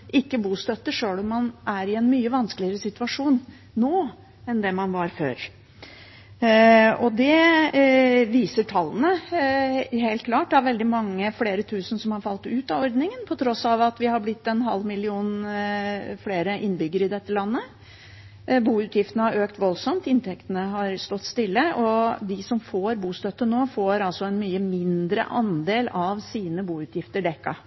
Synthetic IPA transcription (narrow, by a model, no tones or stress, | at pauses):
ʔɪkːəbuːst̪œt̪ːəʂøːlɔmːɑnʔæɾɪɛnmyːəʋɑnsklɪəɾəsɪt̪ʉɑʂuːnː | oː | ɛnd̪ɛmɑnʋɑɾfø̰ːɾ | ɔd̪ɛ | ʋiːsəʈʰɑlːənə | heɪlt̪̚kʰlɑːʈːdɑʋɛld̪ɪmɑŋːəfleːɾət̪ʰʉːsən̩sɔmhɑɾfɑlt̪ʉːt̪ɑɔɾd̪nɪŋənpʰɔt̪ʰɾɔsɑʋɑt̪ʋɪhɑblɪt̪ːɛnɦɑ̰lmɪlɪuːn | fleːɾəʔɪnbʏɡːəɾɪd̪ɛt̪ːəlɑnːə | buːʉːt̪jɪft̪ənəhɑɾøːkt̪ʋɔlsɔmt̪ɪnt̪ʰɛkt̪ənəɦɑɾst̪ɔt̪ːst̪ɪlːəʔɔd̪ɪsɔmfoːɾbuːst̪œt̪ːənoːfoːɾɑlsɔɛnmyːəmɪnd̪ɾə̰ʔɑnd̪eːlɑʋsiːnəbuːʉːt̪ʰjɪft̪əɖɛkːɑ̰